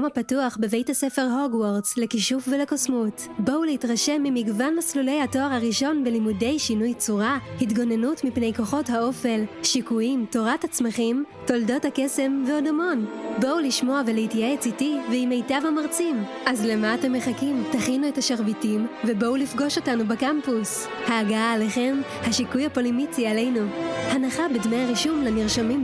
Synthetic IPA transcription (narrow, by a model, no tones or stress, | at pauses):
omapatuaχbe̞ve̞jthasefe̞ʁɦoɡwoʁzlekiʃufvelekosmut | bouleitʁaʃe̞mːimiɡvanlaslule̞jhato̞aʁhaʁiʃo̞nbelimude̞jʃinujt͡suʁahitɡo̞nenutmipne̞jko̞χo̞thao̞fe̞lʃikuimto̞ʁathat͡smaχimto̞ldo̞thakese̞mveodo̞mo̞nbo̞uliʃmo̞avelehitjeet͡sitiveimejtavhamaʁt͡sim | ʔazlemaːte̞mːeχakimtaχinuethaʃaʁvitimvebo̞ulifɡo̞ʃo̞tanubekampus | haːɡaaːleχe̞m | haʃikujapo̞limit͡siale̞jnuhanaχabedmejaʁiʃumleniʁʃamim